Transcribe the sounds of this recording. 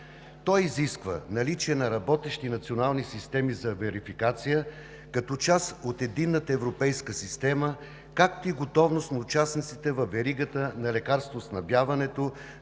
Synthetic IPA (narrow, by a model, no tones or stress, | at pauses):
t̪ɔjiziskvə̰nɐlit͡ʃɛnɐɾɐbɔt̪ɛʃt̪inɐt̪sionalˠnisist̪ɛmizɐvɛɾifikat̪sijə | kɐt̪ɔt͡ʃasot̪ɛd̪inːət̪əɛvɾopɛjskəsist̪ɛmə | kak̚t̪oiɡot̪ɔvnost̪nɐʊt͡ʃasnit̪sit̪ɛvɐvɛɾiɡət̪ənɐlɛkaɾst̪vosnɐbjavɐnɛt̪o